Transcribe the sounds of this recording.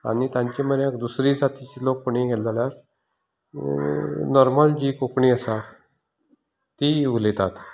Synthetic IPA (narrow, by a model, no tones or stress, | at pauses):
a̰ñit̪jãɲt͡ɕeməɾjãkd̪usɾiːd͡zat̪it͡ɕilokːoɽiɡʱɛlaljaɾ | nɔɾmald͡ʑiːkokɳiːəsa | t̪iʋulet̪at̪